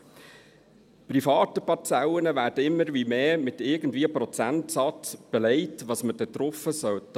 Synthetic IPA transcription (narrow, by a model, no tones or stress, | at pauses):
pɾifɑːtəpɑt͡sɛwənəʋæːɾd̥əɪmːəɾʋimeːmɪtɪɡən̩dviːəpɾɔt͡sæntsɑtb̥ɛlɛɪtʋɑːsməd̥ɛt̪ɾɔfəsœwt